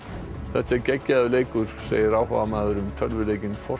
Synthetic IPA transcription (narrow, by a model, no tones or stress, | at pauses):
θɛht̪aɛɾcɛcːaðʏleːjkʏɾ̥sḛːjɪɾaːwhɔ̰vamaːðʏɾʏmt̪ʰœlvʏleːjcɪnfɔ